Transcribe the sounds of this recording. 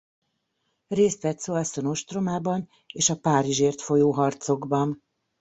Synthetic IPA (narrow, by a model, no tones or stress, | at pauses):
reːst̪ʋɛt̪soːlɒsono̞ʃt̪ro̞maːbɒn | eːʃɒpaːɾiʒeːrt̪fo̞joːɦɒrt̪so̞ɡbɒn